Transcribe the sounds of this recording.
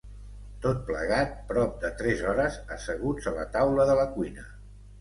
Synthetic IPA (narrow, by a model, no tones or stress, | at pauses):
t̪ot̪̚plə̰ɣ̞at̪̚pɾɔp̚d̪ət̪ɾɛzɔɾəzəsəɣ̞ud͡zələ̰t̪awləðələkuinə